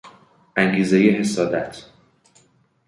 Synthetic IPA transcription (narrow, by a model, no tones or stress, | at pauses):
ʔæŋɡiːzejeɦe̞sɒːd̪æt̪ʰ